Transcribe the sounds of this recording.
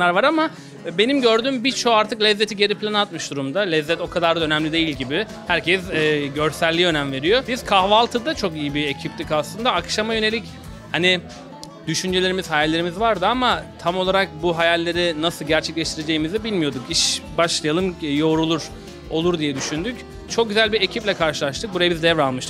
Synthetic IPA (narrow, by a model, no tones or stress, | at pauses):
aɾvaɾama | be̞nimɟø̞ɾd̪ymbiɾt͡ʃʰoaɾt̪ʰɯklʲɛzːe̞t̪ʰiɟe̞ɾipʰlʲanat̪̚mɯʃd̪uɾumd̪alʲɛzːɛt̪o̞kʰad̪aɾd̪aønɛmlʲid̪e̞jilʲɟibiɪ | hæɾcʰɛsɟø̞ɾsælʲːiø̞næmve̞ɾijo̞bizkʰahvalˠt̪ʰɯd̪at͡ʃʰo̞kijibiecʰip̚t̪ʰicaslˠɯnd̪aːkʃamajø̞neic | hani | d̪̥yʃynd͡ʒe̞lʲe̞ɾimiz̥hajalʲːe̞ɾimizvaɾd̪ɯamat̪ʰamo̞lˠaɾak̚buɦajalʲːe̞ɾinasɯlˠɟæɾt͡ʃʰɛclʲɛʃt̪ʰiɾe̞d͡ʒe̞jimizɛbilʲmijo̞d̪ukiʃbaʃlˠajalˠɯmjo̞ːɾulˠuɾ | o̞lˠuɾd̪ijɛd̪yʃynd̪yc | t͡ʃʰok̚ɟyzælʲbiɾecʰiplʲɛkʰaɾʃɯlˠaʃt̪ʰɯk̚buɾajabizd̪ɛvɾalˠmɯʃt̪ɯk